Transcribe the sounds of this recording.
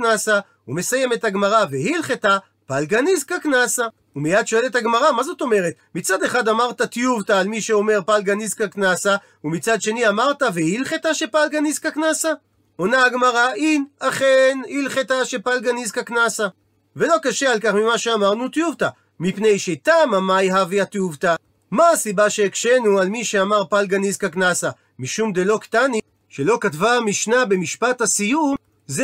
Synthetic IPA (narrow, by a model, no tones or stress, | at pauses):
nasa | ume̞saje̞me̞thaɡmaʁavehilχeta | palɡanizkaknasa | umejad̪ʃo̞e̞le̞thaɡmaʁamazo̞t̪o̞me̞ʁe̞t̪mit͡sade̞χad̪amaʁt̪at̪ijuvtaːlmiʃe̞o̞me̞ʁpalɡanizkaknasa | umit͡sad̪ʃe̞niamaʁtavehilχet̪aʃe̞palɡanizkaknasa | onaaɡmaʁaʔinaχenilχetaʃe̞palɡanizkaknasa | ve̞lo̞kaʃealkaχmimaʃe̞amaʁnut̪juvt̪a | mipne̞jʃet̪amamajɦaveat̪juvt̪a | maːsibaʃe̞ːkʃe̞nualmiʃeamaʁpalɡanizkaknasa | miʃumd̪elo̞ktani | ʃelo̞katvamiʃnabe̞miʃpathasijum | z